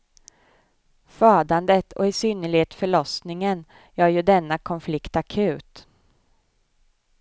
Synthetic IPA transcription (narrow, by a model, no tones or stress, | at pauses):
fɑːd̪and̪ət̪ʰɔ̰ɪsʏnːəɭɪheːt̪fœɭɔsnɪŋən | æɾjɵd̪ɛnːakʰɔnflɪkt̪akʰʉ̟ːt̪